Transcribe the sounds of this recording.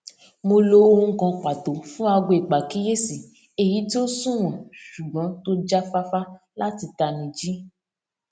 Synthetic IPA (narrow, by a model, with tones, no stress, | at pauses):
mo˧lo˧˦˧ũ˦˧˦kɔ̃˧k͡pa˨to˨fũ˦a˧ɡo˧˨i˨k͡pa˨ki˦je˦si˨ | e˨ji˨˦ti˦o˦sũ˦˨w̃ɔ̃˨ʃu˨ɡ͡bɔ̃˨˦to˦d͡ʒa˦fa˦fa˦ | la˦ti˧ta˧nĩ˧d͡ʒi˦